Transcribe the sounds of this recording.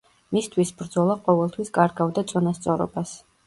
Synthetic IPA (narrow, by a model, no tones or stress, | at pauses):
mist̪ʰwisbɾd̪zɔlˠaqʼɔvɛlˠt̪ʰwiskʼaɾɡavd̪at̪sʼɔnast̪sʼɔɾɔ̰bas